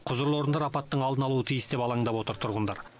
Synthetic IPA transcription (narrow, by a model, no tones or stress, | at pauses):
qʰʊzəɾlˠo̞ɾənd̪ɑɾɑpɑt̪ːəɴɑlˠd̪ənɑlˠuət̪ʰijəsd̪e̞pɑlˠɑɴd̪ɑpwo̞t̪əɾt̪ʰʊɾʁənd̪ɑ̰ɾ